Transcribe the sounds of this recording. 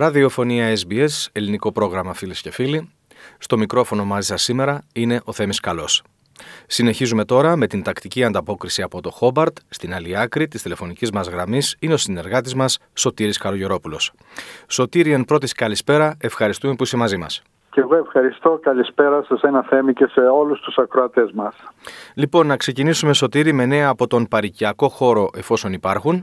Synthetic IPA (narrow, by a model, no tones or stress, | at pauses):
ɾɐðio̞fo̞niɐezbie̞se̞liniko̞pɾo̞ɣɾɐmɐfilisce̞fili | st̪o̞mikɾo̞fo̞no̞mɐzisɐsime̞ɾɐine̞ʔo̞θe̞miskɐlo̞sː | ine̞çizume̞t̪o̞ɾɐme̞t̪int̪ɐkt̪iciɐnd̪ɐpo̞kɾisiɐpo̞t̪o̞xo̞bɐɾt̪st̪inɐliɐkɾit̪ist̪ile̞fo̞nicizmɐzɣɾɐmisine̞o̞sine̞ɾɣɐt̪izmɐsːo̞t̪iɾiskɐɾo̞ʝo̞ɾo̞pulo̞s | so̞t̪iɾienpɾo̞t̪iskɐlispe̞ɾɐe̞fxɐɾist̪ume̞puise̞mɐzimɐ̰s | ceɣoe̞fxɐɾist̪o̞kɐlispeɾɐsɐsenɐθe̞mice̞se̞o̞lust̪usɐkɾoɐt̪e̞zmɐslipo̞nːɐkse̞cinisume̞so̞t̪iɾime̞ne̞ɐːpo̞t̪o̞npɐɾiciɐko̞xo̞ɾo̞ʔe̞fo̞so̞nipɐɾxun